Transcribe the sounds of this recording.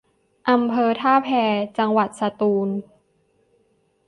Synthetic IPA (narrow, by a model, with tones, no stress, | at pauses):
ʔa˧mpʰɤː˧t̪ʰaː˥˩pʰɛː˧t͡ɕa˧ŋwa˨˩t̪̚sa˧t̪uː˧n